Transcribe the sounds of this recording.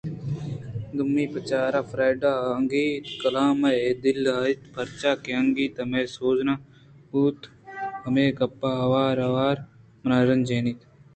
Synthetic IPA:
d̪umːiːpɐt͡ʃaːɾaːfɾaːjɖaːɐŋɡiːt̪kɐlaːmɐed̪ilaːit̪pʰɐɾt͡ʃaːkeɐŋɡiːt̪ɐmeːsoːzna | uːt̪ | ɐmeːɡɐpːaːɦɐʋaːɾɐʋaːɾ | mnaːɾɐnd͡ʒeːnit̪

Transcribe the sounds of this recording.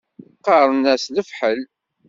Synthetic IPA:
qːɑɾˤənæsləfħəl

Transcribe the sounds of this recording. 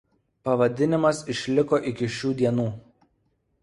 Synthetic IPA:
pɐʋɐd̪ʲɪnʲɪmɐsɪʃʲlʲɪkoːʔɪkʲɪʃʲuːd̪ʲiɛnuː

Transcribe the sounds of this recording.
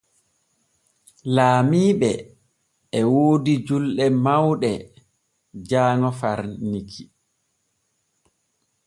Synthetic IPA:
laːmiːɓɛː | woːdid͡ʒulɗɛmawɗɛ | d͡ʒaːŋɔfaɾnikʰi

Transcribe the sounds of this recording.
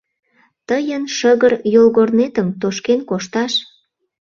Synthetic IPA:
t̪əjənʃəɣərjolɣornet̪əmt̪oʃkenkoʃt̪ɑʃ

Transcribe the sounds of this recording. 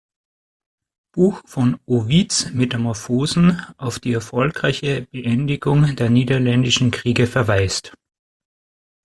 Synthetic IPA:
b̥uːxfɔnoviːt͡smetamɔɐfoːzn̩ʔaʊfd̥iːɛɐfɔlkʁ̥aɪçəb̥əʔɛndɪɡʊŋdeːɐniːdɐlɛndɪʃn̩kʁ̥iːɡəfɛɐvaɪst

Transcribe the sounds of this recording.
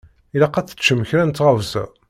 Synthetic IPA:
ilæqːæθə̥t͡ʃːəməçɾænt̪ːʁəvsæ̰

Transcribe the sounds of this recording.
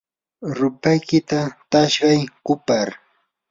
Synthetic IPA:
ɾʊpajkɪt̪at̪aʃɢɑjkʊpaɾ

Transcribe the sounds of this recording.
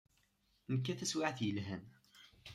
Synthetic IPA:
nəkːæθæswaʕθjəlɦæm

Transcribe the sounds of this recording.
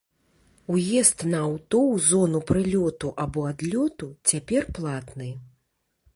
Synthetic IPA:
ujɛst̪nɐawt̪ɔwzɔnupɾɨlʲɔt̪uʔabɔad̪lʲɔt̪ut͡sʲapʲɛrplˠat̪nɨ

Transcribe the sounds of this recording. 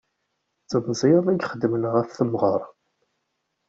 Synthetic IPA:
t͡sːəðzˤiðˤæɡχəd̪ːmənʁəfθəmʁəɾˤ

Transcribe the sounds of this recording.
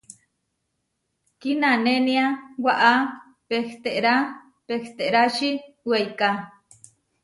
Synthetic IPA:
kinaneniawaʔa | pekt̪eʔɾa | pekt̪eʔɾaʃi | wejka

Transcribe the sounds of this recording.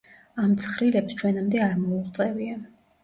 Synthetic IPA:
amt̪sʰχɾilɛpst͡ʃʰwɛnamd̪ɛaɾmɔult̪sʼɛvia

